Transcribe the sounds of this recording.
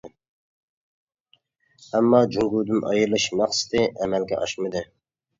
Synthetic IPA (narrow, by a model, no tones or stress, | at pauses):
ɛmːɑːd͡ʒuŋɡud̪ɪmʔɑ̰jɨɾlˠɨʃmɑχsɨ̥t̪ʰɨʔɛmælɡʲɛ̰ʔɑʃmɨd̪ɨ